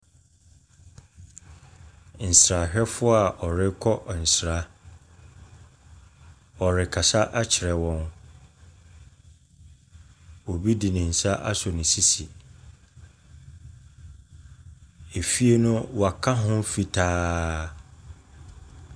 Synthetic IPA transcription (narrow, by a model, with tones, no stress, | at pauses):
n̩˨sɾa˨ɕᶣɛ˦fʊ˦a˨ʔɔ˨ɾɪ˦kʰɔ˦˨n̩˨sɾa˦ | ɔ˨ɾɪ˨kʰa˨sa˦ʔa˦t͡ɕʰɪ˨ɾɛ˨wɔ̃˦n | wo˨bi˦di˨nɪ̃˨n̩˨sa˦ʔa˦sɔ˨nɪ̃˨si˦si˨ | e˨fi˦e˦nʊ̃˦wa˨kʰa˦ɦʊ̃˦fi˨tʰaː˦